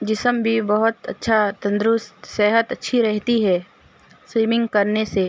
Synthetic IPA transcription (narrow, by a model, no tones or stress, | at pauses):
d͡ʒɪsəmbʱibɐɦʊt̪ɐ̰tːʃʰat̪ɐ̃nd̪ɾʊst̪seɦət̪ɐtːʃʰiɾɛɦt̪iɦɛː | swiːmɪ̃ŋɡkɐɾneseː